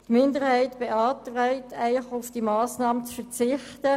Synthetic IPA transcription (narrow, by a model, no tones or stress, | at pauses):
tmɪndəʁhaɪtb̥eɑːtraɪt̪ʰæɪχʊfd̥imɑːsnɑːmət͡sfɛʁt͡sɪχtə